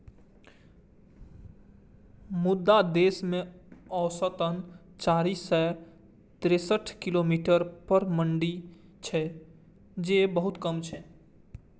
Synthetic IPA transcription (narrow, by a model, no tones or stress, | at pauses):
mʊd̪ːad̪eːsmẽɔːsət̪ənt͡ʃaːɾisɛ | t̪ɾesəʈʰkilomiːʈəɾpəɾməɳɖi | t͡ʃʰɛ | d͡ʒebəɦʊt̪kəmt͡ʃʰɛ